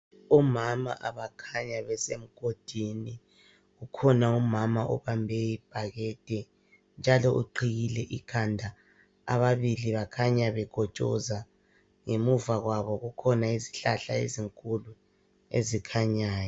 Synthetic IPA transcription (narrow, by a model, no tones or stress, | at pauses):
umama̰ʔaβakʰaɲaβɛsem̩ɡ̥ʱod̥ʱini | ɣukʰɔnaumamaʔṵβambʱɛjib̥ʱaɣɛd̥ʱʼɛ | nd͡ʒʱalɔʔṵǃʰiɣilɛʔikʰandʱa | a̰βaβiliβakʰaɲaβɛɡ̥ʱɔt͡ʃʼɔ̰za | ŋemuvaɣwaβɔɣukʰɔnaiziɬaɬaḛziŋkʼulu | ḛzikʰaɲaːjɔ